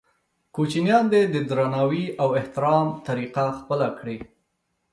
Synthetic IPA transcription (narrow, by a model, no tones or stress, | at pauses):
kot͡ʃinjɑnd̪ed̪əd̪ɾɑnɑwiʔawɪht̪ɪɾɑmt̪aɾiqaxpəlakɽi